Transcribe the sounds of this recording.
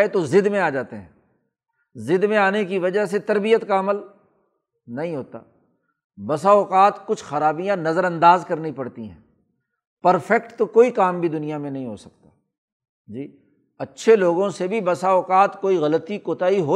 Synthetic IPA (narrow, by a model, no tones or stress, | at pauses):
et̪ozɪd̪mẽaːd͡ʒaːt̪eɦɛ̰̃ː | zɪd̪mẽaːnekiʋɐd͡ʒəɦset̪ɐɾbijət̪kaɐməl | nɐɦĩɦoːt̪a̰ː | bɐsaːʊqaːt̪kʊt͡ʃʰxɐɾaːbijãnɐzəɾɐ̃nd̪aːzkɐɾnipɐɽt̪iɦɛ̰̃ː | pɐɾfɛkʈt̪okoːikaːmbʱid̪ʊnijamẽnɐɦĩɦo̰sɐk̚t̪aː | d͡ʒiː | ɐtːʃʰeloːɡõsebʱibɐsaːʊqaːt̪koːiɣɐlət̪ikoːt̪aːiɦoː